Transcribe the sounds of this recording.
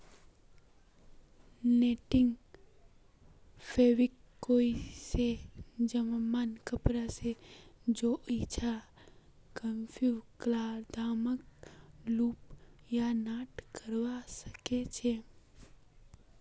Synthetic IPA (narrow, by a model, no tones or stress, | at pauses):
neːʈɪ̃ŋɡ | pʰeːʋɪkːoːised͡ʒəmmaːnkəpɾased͡ʒoːʔit͡ʃʰa | kəmpʰuklaːɾd̪ʱaːmək̚luːpjanaːʈkəɾwasəket͡ʃʰe